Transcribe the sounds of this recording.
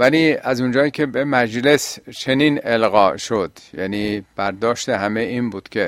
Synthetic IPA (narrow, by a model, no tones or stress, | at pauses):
væliːæzund͡ʒɒːjiːcʲʰe̞bemæd͡ʒle̞st͡ʃʰe̞niːnelɣɒːʔʃo̞d̪̥jæ̰niːb̥æɾd̪ɒːʃt̪ehæmeiːmbuːd̪̥kʲʰe̞